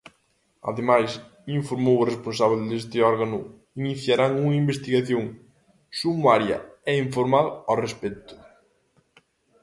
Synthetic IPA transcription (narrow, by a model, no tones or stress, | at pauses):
a̰ðemajs | iɱfoɾmowresponsaβld̪est̪ɪɔɾɣanʊ | iniθjaɾaŋuŋɐimbest̪iɣaθjõŋ | sumuaɾjɐ̰ɛiɱfoɾmaðʊarespɛt̪ʊ̥